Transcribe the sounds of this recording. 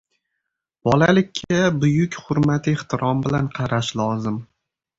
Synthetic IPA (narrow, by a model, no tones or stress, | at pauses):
b̥ɒlalɪkʲʰːabʊjʊkʲhʊɾmat̪ʰɪeχt̪ʰɪɾʔɒmbɪlanqʰɑɾaʃlˠɒzɪm